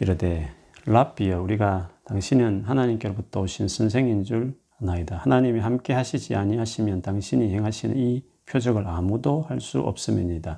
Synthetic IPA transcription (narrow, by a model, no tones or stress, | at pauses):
iɾʌde̞ | lapiʌuɾiɡataŋɕʰinɯnɦanaɲimk͈e̞sobutʰʌoɕʰinsʰɯns̬ʰe̞ŋind͡ʑuɭ | anaidahanaɲimiɦamk͈e̞ɦaɕʰid͡ʑiaɲiɦaɕʰimjʌntaŋɕʰiɲiheŋɦaɕʰinɯ̰ni | pʰjod͡ʑʌɡɯɭamudohaɭs͈ṵʔʌ̰p̚s͈ɯmiɲida